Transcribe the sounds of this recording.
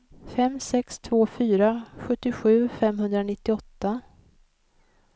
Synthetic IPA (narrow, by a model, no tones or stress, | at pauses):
fɛmsɛkst̪ʰvoːfyːɾaɧɵt̪ːɪɧʉ̟ːfɛmɦɵnd̪ɾanɪt̪ːɪɔt̪ːa